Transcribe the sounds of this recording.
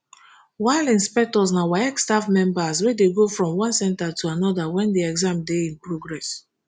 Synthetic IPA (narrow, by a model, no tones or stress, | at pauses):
waɪlĩnspɛk̚tɔsnawɛɛkstafmɛ̃mbaswɛdeɡofɹɔ̃mwãnsɛ̃ntatʰuanɔdawɛ̃ndeɛɡzãmdeĩnpɹoɡɹɛs